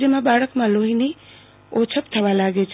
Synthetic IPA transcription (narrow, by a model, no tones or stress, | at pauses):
jəmãbaːɭəkmãloɦini | ot͡ʃʰəpt̪ʰəʋalaːɡet͡ʃʰ